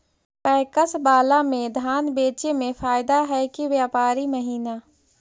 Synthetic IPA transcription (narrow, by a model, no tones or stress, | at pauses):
pɛːkəsbaːlamẽd̪ʱaːnbeːt͡ʃemẽfaːɪd̪aɦɛkiʋjaːpaːɾiməɦiːna